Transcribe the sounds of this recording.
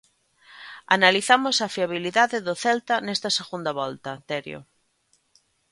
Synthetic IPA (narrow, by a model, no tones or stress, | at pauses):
analiθamosafiaβ̞iliðaðeðoθelt̪anest̪aseɣund̪aβɔlt̪at̪eɾjo̰